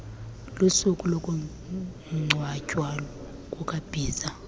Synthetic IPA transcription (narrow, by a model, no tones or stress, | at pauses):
lusukʼulɔkʼu | ŋ͡ǀʱwacʼwalɔ | kʼukʼab̥ʱiːza